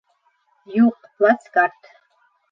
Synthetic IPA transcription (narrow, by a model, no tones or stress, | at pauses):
juqplat͡skɑrt̪